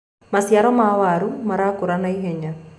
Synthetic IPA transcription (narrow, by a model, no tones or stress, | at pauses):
masjaɾɔmawaɾumaɾakuɾanaiɦɛɲa